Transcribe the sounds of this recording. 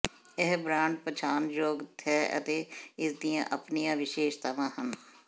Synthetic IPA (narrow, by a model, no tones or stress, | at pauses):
ɛɦbɾãːɳɖ̚pət͡ʃʰaːnd͡ʒoːɡt̪ʰɛːə̰t̪eːɪsd̪ijã̰ːʔəpnijãːʋɪʃeːʃt̪ʰəʋãːhən